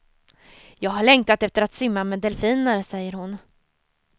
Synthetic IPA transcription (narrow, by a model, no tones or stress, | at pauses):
jɑːɡɦaɭɛŋ̚t̪at̪ɛft̪əɾat̪sɪmːamɛːd̪ɛlfiːnəɾsɛjːəɾhʊn